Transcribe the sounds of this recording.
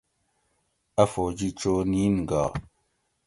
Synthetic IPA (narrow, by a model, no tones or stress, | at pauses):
afod͡ʒit͡ʃoninɡa